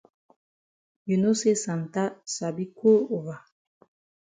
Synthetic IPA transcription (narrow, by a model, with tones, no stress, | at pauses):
ju˨no˦se˦sã˨n˨ta˦sa˨bi˦ko˦o˨va˨